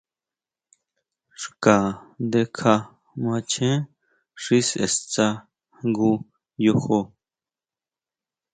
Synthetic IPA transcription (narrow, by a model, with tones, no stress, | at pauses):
ʂka˨nd̪e˧kʰa˧ | mã˧t͡ʃʰẽ˦ | ʂi˦sḛ˨st͡sa˧ | ŋɡu˧ | jo˧ho˧